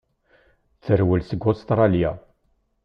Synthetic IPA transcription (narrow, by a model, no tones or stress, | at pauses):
θt͡sːəɾwəlsəɡʊst̪ɾˤɑlja